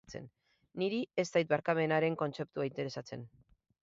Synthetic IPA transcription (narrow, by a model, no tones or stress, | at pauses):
t͡se̞̰nː | iɾiest̪ajt̪̚βaɾkame̞naɾe̞ŋko̞nt͡se̞p̚t̪uaint̪e̞ɾe̞sat͡se̞̰n